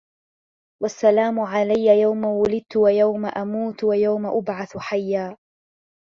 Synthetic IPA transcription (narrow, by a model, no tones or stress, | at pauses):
wasːalaːmʊʕalajːajawmawʊlɪd̪̚t̪ʊwajawmaʔamuːt̪wajawmaʔʊbʕaθħajːaː